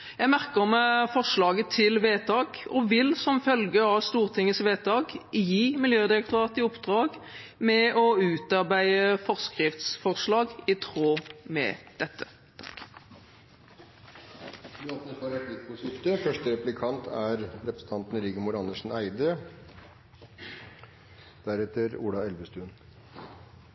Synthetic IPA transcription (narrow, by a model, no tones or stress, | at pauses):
jæɪmæʁkəʁɔmfɔʂlɑːɡət̪ʰɪlʋeːt̪ʰɑːɡɔʋɪlsɔmfœlɡəɑʋst̪uːʁt̪ʰɪŋəsʋeːt̪ʰɑːɡjiːmɪljøːd̪ɪɾək̚t̪ʊɾɑːt̪ɪʊpd̪ʁɑːɡmɛʔɔʉːt̪ɑɾbæɪəfɔʁskʁɪft̪sfɔʁʂlɑːɡɪt̪ʰʁoːmɛ̰d̪̥ɛt̪ʰːə | t̪ʰɑ̥k | ɑt̪nəfɑɾɛt̪lɪt̪̚pʰɔsʏft̪əfœʂʈəɾɛplɪkʰɑnt̪ʰæɾɾɛpɾəsə̥t̪ɑnt̪n̩ɾiːɡəmʊɾɑnəʂn̩æɪd̪ə | d̪̥æɾɛt̪əɾṵːɽɑɛlʋəst̪ʉːn